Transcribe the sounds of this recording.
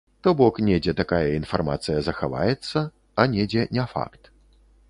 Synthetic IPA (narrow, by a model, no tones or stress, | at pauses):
t̪ɔbɔknʲɛd͡zʲɛt̪akajɐinfarma̰t̪sɨjɐzɐxava̰jɛt̪sːɐ | ɐnʲɛd͡zʲɛnʲɛfa̰kt̪